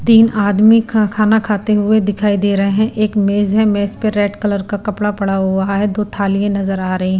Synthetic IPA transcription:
d̪iːnaːd̪mikʰakʰaːnakʰaːt̪eɦʊed̪ɪkʰaːid̪eːɾɐɦeɦɛ̃ʔeːkmeːzɦɛ̃meːzpeɾɛːʈkɐləɾkakɐpɽapɐɽaɦʊaɦaɦɛd̪oːt̪ʰaːlijẽnɐzəɾaːɾɐɦiɦɛ̃

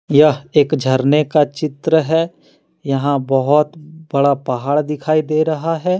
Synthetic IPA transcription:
jɐɦeːkd͡ʒʱɐɾnekat͡ʃɪt̪ɾəɦɛ | jɐɦãbɐɦʊt̪bɐɽapɐɦaːɭd̪ɪkʰaːid̪eːɾɐɦaɦɛː

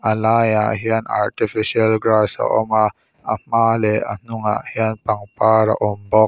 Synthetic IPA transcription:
ʔalajaɦiana̰ɾtifisialɡɾasa̰ʔoma | ahmalea̰nuŋa̰ʔhianpaŋpaɾa̰ʔɔmbɔk̚

